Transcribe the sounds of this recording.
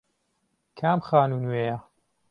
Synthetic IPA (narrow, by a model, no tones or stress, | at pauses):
kʰaːmxaːnuːnweːja